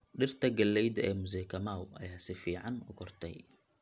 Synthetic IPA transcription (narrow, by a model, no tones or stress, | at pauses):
ɗɪrt̪ʰɐɡɐlːɛjd̪ɐɛːmʊzɛːkʰɐmaːwʔɐ̰jaːsɪfiːʕɑnʊkʰɔrt̪ʰɛ̰j